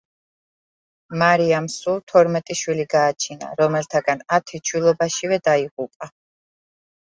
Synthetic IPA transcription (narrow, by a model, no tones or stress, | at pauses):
maɾiamsulˠt̪ʰɔɾmɛt̪ʼiʃwiliɡaːt͡ʃʰina̰ɾɔmɛlt̪ʰaɡanat̪ʰit͡ʃʰwilˠɔbaʃivɛd̪aiʁupʼa